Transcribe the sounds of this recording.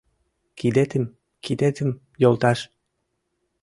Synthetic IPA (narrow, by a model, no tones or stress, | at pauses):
kid̪et̪əm | kid̪et̪ə̆m | jolˠt̪ɑʃ